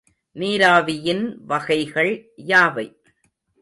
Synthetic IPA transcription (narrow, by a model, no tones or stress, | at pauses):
niːɾaːʋɪjɪnʋɐɣɐɪɣɐɭjaːʋɐɪ